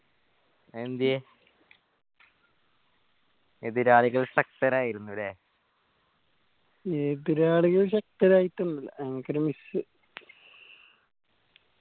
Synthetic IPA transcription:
end̪ie | ed̪iɾaːɭiɣɐɭsɐk̚t̪ɐɾaːjiɾunːuʋɐleː | ed̪iɾaːɭiɣɐɭɕɐk̚tɐɾaːjitːunːɐlːɐkɾemisɨ

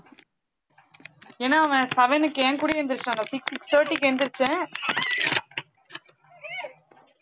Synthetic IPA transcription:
eːnːaːɐʋɛ̃sɛʋɛnɯkːeːŋkuːɽiɛnd̪ɪɾɯt͡ʃːãːŋasɪksɪkst̪ʰəːɾʈːikːɛnd̪ɪɾɯt͡ʃːɛ̃

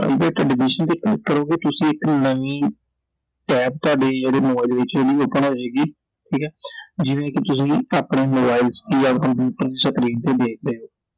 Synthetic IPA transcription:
a̰ːibɛːʈɛːɖɪbɪʃənt̪eːkəkəɾoːɡeːt̪ʊsĩːɪknəʋĩː | ʈɛːp̚t̪ʊaːɖeːd͡ʒeːɽeːmobaːild̪eːʋɪt͡ʃd͡ʒeːɽiːoːpənɦoːd͡ʒeːɡiː | ʈʰiːkɛːd͡ʒɪʋẽːkɪt̪ʊsĩːaːpɳeːmoːbaːɪlst̪iːjaːkəmpjuːʈəɾd̪iːsəkɾiːnt̪eːd̪eːk̚ʰɾeːoː

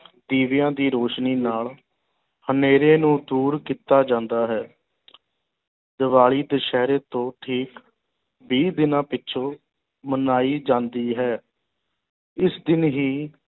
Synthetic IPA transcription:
d̪iːʋɪjãːd̪iːɾoːʃniːnaːl | həneːɾeːnũːd̪uːɾkiːt̪aːd͡ʒãːnd̪aːɦɛː | d̪əʋaːɭiːd̪əʃɛːɾeːt̪õːʈʰiːk | biːd̪ɪnãːpɪtːʃʰõː | mənaːiːd͡ʒãːnd̪iːɦɛː | ɪsd̪ɪnɦiː

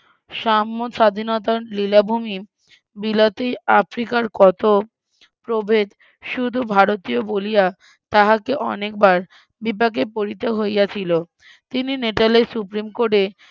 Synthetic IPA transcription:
ʃamːoʃad̪ʱinɔt̪̬alilabʱumi | bilat̪iafɾikaɾkɔt̪o | pɾobʱed̪ | ʃud̪ʱubʱaɾot̪iobolija | t̪aɦakeʔɔ̰nek̚baɾ | bip̬ak̬epoɾit̪eɦojjat͡ɕʰilo | t̪inineʈalesupɾimkoʈe

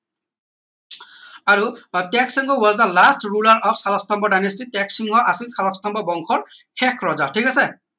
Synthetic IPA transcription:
aɹutɛksiŋɡɔwɔzdəlastɹulaɹʔɔfsalɔstɔmbɔɖajnestitɛksiŋɦɔʔasizkalɔstɔmbɔbɔŋkʰɔɹ | hɛkʰɹɔzaʈʰikasɛ

